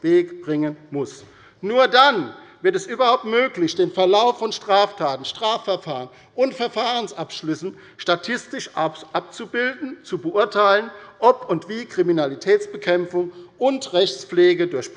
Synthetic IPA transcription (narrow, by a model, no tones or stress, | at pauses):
veːkb̥ʁɪŋənmʊs | nuːɐdan | vɪɐtɛsʔyːbɐhaʊp̚tmøːklɪçd̥eːnfɛɐlaʊfːɔnʃtʁ̥aːftʰaːtn̩ʃtʁ̥aːfɛɐfaːʁən | ʊntfɛɐfaːʁənsʔapʃlʏsn̩ | ʃtatʰɪstɪʃʔap̚t͡subɪldn̩t͡subəʔʊɐtʰaɪlənʔɔpʰʊntv̥iːkʁ̥iminalitʰɛːt͡sb̥əkʰɛmfʊŋʔʊntʁɛçt͡sp͡fleːɡədʊɐçb